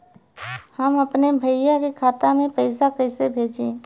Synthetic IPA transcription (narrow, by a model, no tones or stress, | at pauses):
həmɐpnebʱəɪjakekʰaːt̪amẽpɐɪs̬akɐɪsebʱeːd͡ʒẽː